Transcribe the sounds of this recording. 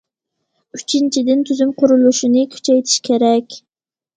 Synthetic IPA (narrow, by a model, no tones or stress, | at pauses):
yt͡ʃʰint͡ʃʰid̪ɪnt̪ʰyzymqʰʊɾulˠuʃinɨkʲʰy̥t͡ʃʰɛjt̪ʰi̥ʃkʲʰeɾɛkʲ